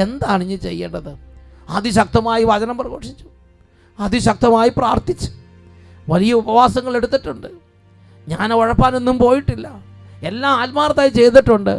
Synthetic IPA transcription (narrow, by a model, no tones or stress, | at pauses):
e̞nd̪aːɳiɲːɨt͡ɕe̞̰jːɐ̰ɳɖɐðɨɐ̰ðɨɕɐk̚t̪ɐmaːjiʋɐd͡ʑɐnɐmprɐɣo̞ːʂi̥t͡ɕːu̥ | ɐðɨɕɐk̚t̪ɐmaːjipraːrt̪it͡ɕːu̥ | ʋɐlijɐubɐʋaːsɐŋːɐɭe̞ɽut̪ːiʈːuɳɖɨ | ɲaːneoɻɐpːaːne̞nːumpo̞ːjiʈːilːɐ | e̞lːaːaːlmaːrɐt̪ːaːjit͡ɕe̞jt̪̬ːiʈːuɳɖɨ